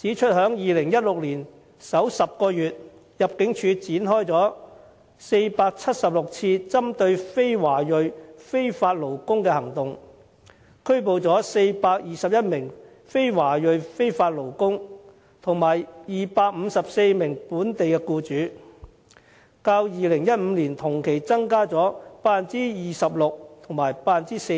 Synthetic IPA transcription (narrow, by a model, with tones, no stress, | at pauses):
t͡siː˨˥t͡ʃʰɵ˥t̚ɦœː˨˥ŋjiː˨lɪ˨˩ŋjɐ˥t̚lʊ˨k̚liː˨˩n | sɐ˨˥wsɐ˨p̚kɔː˧jyː˨t̚ | jɐ˨p̚kɪ˨˥ŋt͡ʃʰyː˧t͡siː˨˥nɦɔː˥jt͡sɔː˨˥ | se˧jpaː˧k̚t͡sʰɐ˥t̚sɐ˨p̚lʊ˨k̚t͡sʰiː˧t͡sɐ˥mt̪ɵ˧ɥfe˥jwaː˨˩jɵ˨ɥfe˥jfaː˧t̚lo˨˩wkʊ˥ŋkɛː˧hɐ˨˩ŋt̪ʊ˨ŋ | kʰɵ˥ɥp̬o˨wt͡sɔː˨˥se˧jpaː˧k̚jiː˨sɐ˨p̚jɐ˥t̚mɪ˨˩ŋ | fe˥jwaː˨˩jɵ˨ɥfe˥jfaː˧t̚lo˨˩wkʊ˥ŋ | t̪ʰʊ˨˩ŋmaː˨˩jjiː˨paː˧k̚m̩˨˧sɐ˨p̚se˧jmɪ˨˩ŋpuː˨˥nt̪e˨jkɛː˧kuː˧t͡syː˨˥ | kaː˧wjiː˨lɪ˨˩ŋjɐ˥t̚m̩ː˨˧liː˨˩nt̪ʰʊ˨˩ŋkʰe˨˩jt͡sɐ˥ŋkaː˥t͡sɔː˨˥paː˧nt͡siː˥jiː˨˩sɐ˨p̚lʊ˨k̚t̪ʰʊ˨˩ŋmaː˨˩jpaː˧nt͡siː˥se˧